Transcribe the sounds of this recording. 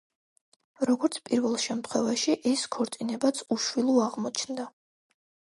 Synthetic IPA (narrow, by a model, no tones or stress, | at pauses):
ɾɔɡɔɾt̪sʰpʼiɾvɛlˠʃɛmt̪ʰχwɛvaʃiʔɛskʰɔɾt̪sʼinɛbat̪sʰuʃwilˠuaʁmɔt͡ʃʰnd̪a